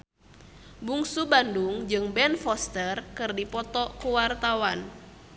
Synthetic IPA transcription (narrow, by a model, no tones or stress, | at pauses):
buŋsubanduŋd͡ʒɨŋbɛnfɔst̪ərkɨrdipɔt̪ɔkuwart̪awan